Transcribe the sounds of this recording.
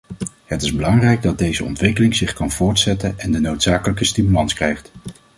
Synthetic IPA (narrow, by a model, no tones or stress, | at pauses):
ɦətɪzbəlɑŋrɛjɡ̚dɑd̚dejzə̰ɔ̰ntʋɪkəlɪŋzɪχkɑnv̥ʊːɹtsɛtənɛndənowtsaːkələkəstimylɑnskrɛjχt